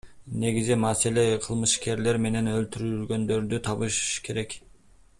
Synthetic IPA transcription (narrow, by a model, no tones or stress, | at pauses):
ne̞ɡizimɑse̞le̞qʰɯlˠmɯʃke̞ɾle̞ɾme̞ne̞nølt̪yɾylɡø̞nd̪ø̞ɾd̪yt̪ʰɑβɯʃkʰe̞ɾe̞k